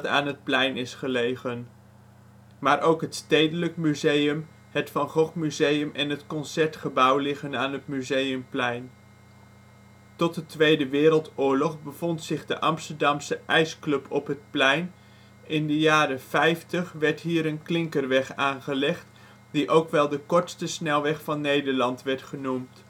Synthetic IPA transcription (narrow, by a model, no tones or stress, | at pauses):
ta̰ːnɦət̚plɛjnɪsχəlejχən | maːɹʔowkɦətstejdələkmyzejəm | hətfɑnχɔχmyzejəmɛnɦətkɔnsɛɹtχəbɑwlɪχənaːnɦətmyzejəmplɛjn | tɔt̚dətʋejdəʋɪːɾəlˠtʊːɹlɔχbəv̥ɔntsɪχdəʔɑmstəɹdɑmsəʔɛjsklɵpʰɔpɦət̚plɛjn | ɪndəjaːrəfɛjftəχʋɛɹtɦiːɾənklɪŋkəɹʋɛχaːnχəlɛχt | d̥iʔowkʋɛlˠdəkɔɹtstəsnɛlˠʋɛχfɑnːejdəɹlɑntʋɛɹtχənumt